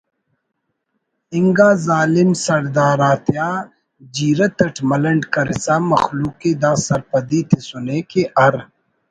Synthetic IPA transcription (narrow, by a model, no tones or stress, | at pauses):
ɪŋɡaːzaːlimsɐɾd̪aːɾaːt̪ʰjaː | d͡ʒiːɾɐt̪ɐʈʰmɐlɐɳɖkɐɾḭsaːmɐxluːked̪aːsɐɾpɐd̪it̪ʰesuneːkeʔɐɾ